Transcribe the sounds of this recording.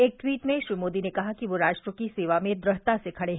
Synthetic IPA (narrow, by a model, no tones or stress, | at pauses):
eːk̚ʈwiːʈmẽʃɾiːmoːd̪inekɐɦakiʋoɾaːʃʈɾəkiseːʋamẽd̪ɾɐɦt̪asekʰɐɽeɦ